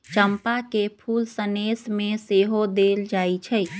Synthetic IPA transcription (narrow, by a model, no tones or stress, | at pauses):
t͡ʃəmpakepʰulsənesmeseɦod̪eld͡ʒait͡ʃʰɛ